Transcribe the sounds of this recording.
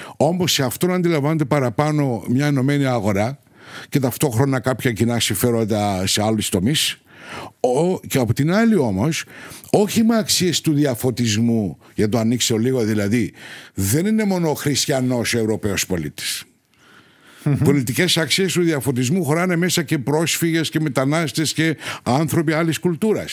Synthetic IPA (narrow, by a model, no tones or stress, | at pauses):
o̞mo̞sːeɐft̪o̞nɐnd̪ilɐɱvɐnet̪epɐɾɐpɐno̞mɲɐeno̞me̞niɐɣo̞ɾɐ | ce̞t̪ɐft̪o̞xɾo̞nɐkɐpçɐcinɐsiɱfe̞ɾo̞nd̪ɐse̞ɐlust̪o̞mis | oceɐpot̪inɐlio̞mo̞so̞çimeɐksie̞st̪uðiɐfo̞t̪izmu | ʝɐt̪oɐnikseoliɣo̞ðilɐðiðe̞nine̞mo̞noxɾist̪çɐno̞soevɾo̞pe̞o̞spo̞lit̪i̥s | po̞lit̪ice̞sɐksie̞st̪uðiɐfo̞t̪̬izmuxoɾɐne̞me̞sɐce̞pɾo̞sfiɣe̞sce̞me̞t̪ɐnɐst̪e̞sce̞ɐnθɾo̞piɐliskult̪uɾɐs